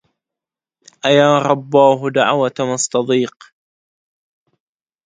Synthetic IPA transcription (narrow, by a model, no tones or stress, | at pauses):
ʔajaːɾˤɑbːɑːɦʊd̪aʕwat̪mɑsˤt̪ɑd̪ˤiːq